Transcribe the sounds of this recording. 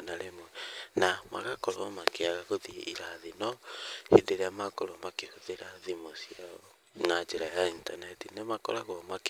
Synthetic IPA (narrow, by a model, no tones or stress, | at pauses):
naɾemwɛnama̰ɣakɔɾɔmakeaɣaɣoðḭiɾaðinɔhedeɾeamakoɾomakehoðeɾaðimosia | nad͡ʒeɾajaintanɛtinemakɔ̰ɾaɣwɔmak